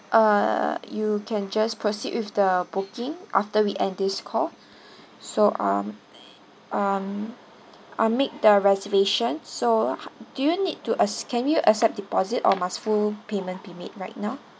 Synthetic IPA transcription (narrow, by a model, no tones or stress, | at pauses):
ʔajukʰɛ̃nd͡ʒaspʰɹosḭʔ̚wɪfdəbukɪ̃ŋʔa̰ftəwiʔɛ̃ndɪskʰɔl | soʔa̰ | ʔʌm | ʔamek̚dəɹɛzəveʃə̃nsohd̥ujunid̚tuʔəskʰɛ̃njuʔəsɛp̚dipɔzitɔ̰masfulpemə̃nbimḛt̚ɹaɪt̚naʊ